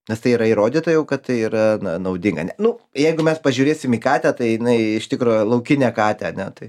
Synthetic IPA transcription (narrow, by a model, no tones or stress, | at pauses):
nʲɛst̪ɐɪiːɾɐiːɾoːd̪ʲiːt̪ɐjɛʊkɐt̪t̪ːɐɪiːɾɐnɐnɐʊd̪ʲɪŋɡɐ̰nʲɛnʊjɛɪɡʊmʲɛspɐʒʲuːɾʲeːsʲɪmiːkɑːt̪ʲæt̪ɐɪjɪnɐɪɪʃt̪ʲɪkɾuːjlˠɐʊkʲɪnʲeːkɑːt̪ʲɛɐnʲɛt̪ɐɪ